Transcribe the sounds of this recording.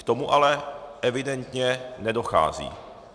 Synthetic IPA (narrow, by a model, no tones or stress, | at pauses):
kt̪o̞muʔalɛʔɛvɪdɛnt̪ɲɛnɛdoxa̰ːzḭː